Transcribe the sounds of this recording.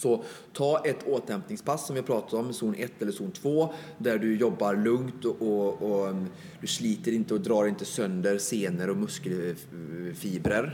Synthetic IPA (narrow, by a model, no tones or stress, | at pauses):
sɔ | t̪ʰɑːɛt̪oːt̪ɛmpnɪŋspʰasːɔmvɪhapʰɾɑːt̪at̪ɔmːɛsuːnʔɛt̪ːɛlːəʂuːnt̪ʰv̥oːd̪æɖɵjɔbːaɾlɵŋt̪ɔʔɔɔ | d̪̥ɵsliːt̪əɾɪnt̪əɔd̪ɾɑːɾɪnt̪əsœnd̪əɾseːnəɾɔmɵskəl | fiːbɾəɾ